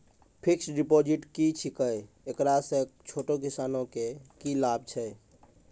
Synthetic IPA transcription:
pʰiksɖipod͡ʒiʈkit͡ʃʰikəj | ekɾasẽt͡ʃʰoʈok̬isanõkekilab̚t͡ʃʰɛ

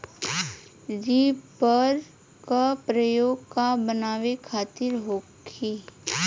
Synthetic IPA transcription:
d͡ʒiːpəɾ | kapɾəjoːɡkabənaːʋekʰaːt̪ɪɾɦoːkʰiː

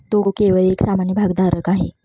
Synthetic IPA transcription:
t̪okeʋəɭeksamanjəbʱaɡd̪aɾəkaɦe

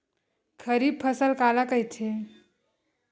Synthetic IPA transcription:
kʰəɾib̚pʰəsəlkalakəɦjtʰe

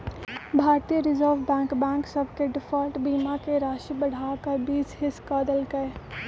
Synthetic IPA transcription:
bʱaːɾt̪ijəɾɪzəɾʋbɛ̃ːŋkbɛ̃ːŋksəbʱkeɖɪfʰɔlʈbiːmakeɾaːʃəbəɽ̤ʱaːkabiːd͡ʒɦɪskaːd̪əlkɐe

